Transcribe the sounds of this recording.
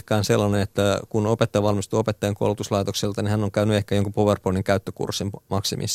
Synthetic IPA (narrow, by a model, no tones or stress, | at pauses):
kæːnselːɑnenet̪ːækunopet̪ːɑjɑʋɑlmist̪uːopet̪ːɑjɑŋko̰ulut̪uslɑit̪okselt̪ɑnihænːoŋkæynyehkæjoŋkupoʋerpoiniŋkæyt̪ːøkṵrsːimmɑksemḭs